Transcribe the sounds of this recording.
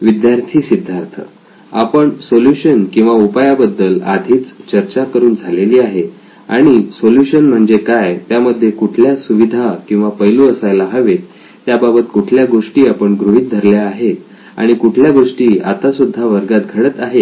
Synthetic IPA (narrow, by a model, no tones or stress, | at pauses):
ʋid̪jaɾt̪ʰiːsid̪ʱːaɾt̪ʰə̰ | a̰pəɳsoljuɕənkĩw̃ʋaupajabəd̪ːəla̰d̪ʱiːt͡st͡ɕəɾt͡ɕakəɾuːnd͡zʱaleliːaɦe | a̰ɽ̃isoljuɕənm̤əɳd͡zekajt̪jaməd̪ʱːjekuʈʰljasuʋid̪ʱakĩw̃ʋapəjluəsajlaɦəʋet̪ː | jababət̪kuʈʰljaɡoʂʈiːapəɳɡɾuɦiːt̪̚d̪ʱəɾljaːɦet̪ | a̰ɽ̃ikuʈʰljaɡoʂʈiːa̰t̪asud̪ʱːaʋəɾɡat̪̚ɡʱəɽət̪aɦe